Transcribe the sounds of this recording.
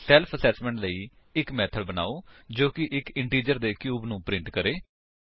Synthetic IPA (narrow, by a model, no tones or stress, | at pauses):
sɛːlpʰəsɛːsmɛ̃ːɳʈləiː | ɪkmɛːt̪ʰəɽbəna̰ːoːd͡ʒoːkɪʔɪkɪɳʈiːd͡ʒəɾd̪eːkjuːbnũːpɾɪ̃ɳʈkəɾeː